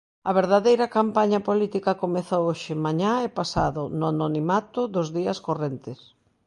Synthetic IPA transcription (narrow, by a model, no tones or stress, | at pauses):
ɐβ̞eɾðaðejɾɐkampaɲɐpolit̪ikɐkomeθowoʃɪmaɲaepasa̰ðʊnʊanonimat̪ʊðʊzðiɐskorent̪ɪs